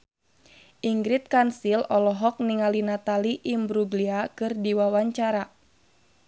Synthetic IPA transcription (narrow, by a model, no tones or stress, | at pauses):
ʔiŋɡɾɪt̪̚kansilɔlɔɦɔk̚niŋalinat̪aliʔimbɾuɡliakɨrdiwawaɲt͡ʃaɾa